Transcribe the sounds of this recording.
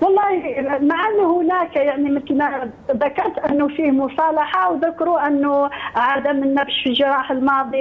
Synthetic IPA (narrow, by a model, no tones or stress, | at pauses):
wɑlˤːɑːhimaʕanːhʊnækjaʕnimət̪əlma | ðakɑɾˤt̪ʔənːʊfiːhmʊsˤɑlɑħawðakːɾuʔənːʊʕad̪amənːæfʃfilʒɑɾˤɑːħəlmɑːd̪ˤi